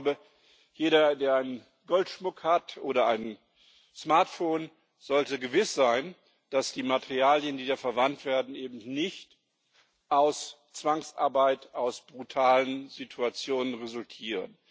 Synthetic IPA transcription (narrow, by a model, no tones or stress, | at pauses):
bə | jeːɾɐdeːɐaɪnən | ɡɔltʃmʊkhatʔoːɾɐʔaɪn | smaɐtfoːn | z̥ɔltəɡəvɪsz̥aɪn | d̥asd̥iːmatʰeʁiaːljəndiːdaːfɛɐvantv̥eːɐdn̩ʔeːbm̩nɪçt | ʔaʊs | t͡sv̥aŋsʔa̰ɐbaɪtʔaʊsb̥ʁutʰaːlənzitʰuat͡sjoːnənʁezʊltʰiːʁə̰n